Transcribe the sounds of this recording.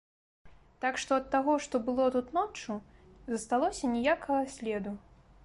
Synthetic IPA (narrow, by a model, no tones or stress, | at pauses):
t̪akʂt̪ɔɐt̪ːaɣɔʂt̪ɔbɨlˠɔt̪ut̪nɔt͡ʂu | zɐst̪alˠɔsʲɐnʲɛjakɐɣɐsʲlʲɛd̪u